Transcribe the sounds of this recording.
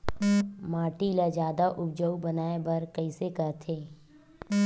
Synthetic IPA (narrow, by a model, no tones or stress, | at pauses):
maːʈilad͡ʒaːd̪aʔʊbd͡ʒəubənaːebɐɾkəɪsekəɾt̪ʰeː